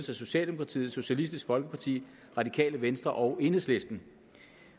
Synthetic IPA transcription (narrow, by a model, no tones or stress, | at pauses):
əsæso̝ɕɛ̰ːld̥emokʰʁɑ̈t͡sʰḭːð̩ˠso̝ɕælisd̥isɡ̥fɒ̽lɡ̥əpʰɑ̈t͡sʰḭː | ʁɑ̈dikʰɛ̰ːləʋensd̥ʁɐʔɒ̽ʊe̝nəsle̝sd̥n̩